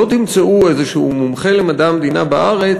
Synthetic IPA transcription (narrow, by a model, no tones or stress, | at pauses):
ot̪imt͡saʔuejzeʃeumumχe̞lemad̪amed̪inabaʔaʁe